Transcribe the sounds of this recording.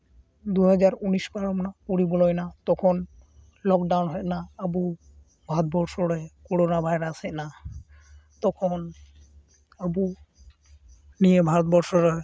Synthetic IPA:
d̪uɦad͡ʑaɾuniskaɾɔmnapuɽibɔlɔjnat̪ɔkʰon | lɔkɖawnɦɔjnaabu | bʱaɾɔt̪̚bɔɾsɔɾɔkɔɽonabʱajɾaseʔna | t̪ɔkʰɔn | abu | nijebʱaɾɔt̪̚bɔɾsɔɾɔj

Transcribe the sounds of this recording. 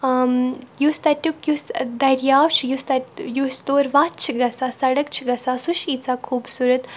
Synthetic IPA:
mjust̪ɐʈʲukjusd̪ɐɾjaːʋt͡ʃʰjust̪ɐjust̪oːɾʋatt͡ʃʰiɡɐsaːsɐɽɐk̚t͡ʃʰiɡɐsaːsuʃiːt͡saːkʰuːbsuɾət̪

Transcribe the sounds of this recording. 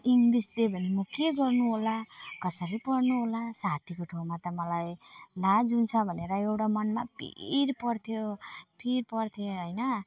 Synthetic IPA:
iŋlisd̪ebʱʌnimukʰeɡʌrnuɦolakʌsʌɾipʌrnuɦolasat̪ʰikoʈʰomat̪ʌmʌlajlad͡zunt͡sʰʌbʱʌneɾʌewʈamʌnmapḭɾpʌrt̪ʰjopʰirpʌrt̪ʰjoɦʌjnʌ

